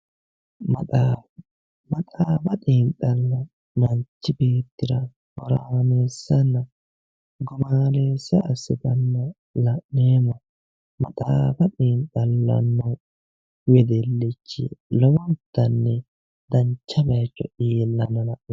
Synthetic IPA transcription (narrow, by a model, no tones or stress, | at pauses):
mɐt̪ʼaːfɐt̪iːntɐlːɐ | mɐnt͡ʃːɪbeːt̪ːɪɾɐ | hɔɾaːneːsːɐnːɐ | ɡʊmaːneːsːɐʔɐsɪt̪ɐnːɐ | lɐʔneːmɔ | mɐ̰t̪ʼaːfɐt̪ʼiːntɐlːɐ̰nːɔ | wɛd̪ɛlːɪt͡ʃːɪ̰lɔwɔt̪ːɐnːɛ | d̪ɐnt͡ʃːɐbɐjt͡ʃːɔʔiːlːɐnɐlɐʔɔ